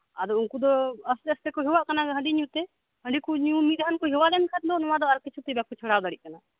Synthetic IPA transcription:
ad̪ɔunkud̪ɔəst̪əst̪ɛkɔɦiwaʔkanaɡɛɦə̃ɳɖiɲũt̪ɛ | hə̃ɖikuɲũmiɾankɔɦiwalɛnkʰat̪̚d̪ɔnɔwad̪ɔaɾkit͡ʃʰut̪ɛbakut͡ʃʰɔɽawd̪aɽiʔ̚kana

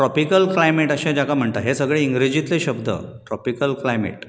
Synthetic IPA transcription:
ʈɾɔpikəlklajmeʈəɕãd͡ʑakam̤əɳt̪aɦesəɡɭeiŋɡɾed͡ʑit̪leɕəbd̪ʱə̰ʈɾɔpikəlklajmḛʈ

